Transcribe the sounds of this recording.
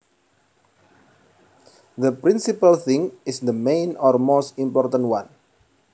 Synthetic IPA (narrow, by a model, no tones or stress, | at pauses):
d̪əpɾĩnsipəlθɪ̃ŋɪsd̪əmẽjnɔrmost̪ĩmpɔrt̪ə̃ntwãn